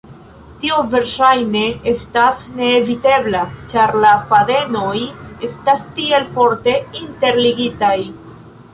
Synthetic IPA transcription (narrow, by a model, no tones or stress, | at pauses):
tiove̞ɾʃajne̞e̞stasne̞ːvite̞blat͡ʃaɾlafade̞no̞je̞stastie̞lfo̞ɾte̞inte̞ɾliɡitaj